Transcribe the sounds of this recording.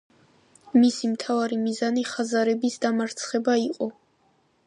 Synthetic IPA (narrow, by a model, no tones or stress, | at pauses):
misimt̪ʰavaɾimizaniχazaɾɛbisd̪amaɾt̪sʰχɛbaiqʼɔ